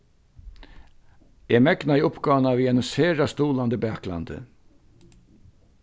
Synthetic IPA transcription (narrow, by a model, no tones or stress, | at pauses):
eːmɛɡnaiʊpɡɑːnaviːɛnəseːɹast̪uːland̪əbæːkla̰nd̪ə̰